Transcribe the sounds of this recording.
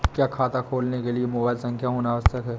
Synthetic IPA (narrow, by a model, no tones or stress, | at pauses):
kjaːkʰaːt̪akʰoːlnekeliemoːbaːɪlsɐ̃ŋkʰjaɦoːnaʋəst̪ʰəkɦɛː